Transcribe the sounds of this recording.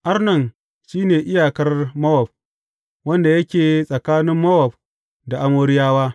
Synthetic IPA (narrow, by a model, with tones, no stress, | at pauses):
ʔa˦rnɐ˦˨n | ʃiː˦neː˨ʔɪ˦jaː˨kɐ˦rmɐ˦wɔ˨b̚ | wɐ˦nda˨jɐ˦kʲeː˨sʼɐ˨kaː˦nɪ˦mːɐ˦wɐ˨b̚ | da˨ʔa˦moː˦ɾɪ˦jaː˦waː˦